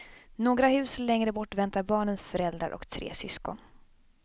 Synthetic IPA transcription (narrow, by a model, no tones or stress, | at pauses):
noːɡɾahʉ̟ːslɛŋɾəbɔʈːvɛnt̪aɾbɑːɳənsfœɾɛld̪ɾa̰ɾʔɔ̰kt̪ʰɾḛːsʏskɔ̰n